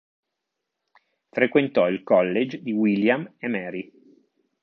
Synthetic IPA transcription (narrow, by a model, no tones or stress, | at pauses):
fɾekwent̪ɔilkɔlːed͡ʒd̪iwiljamemɛːɾi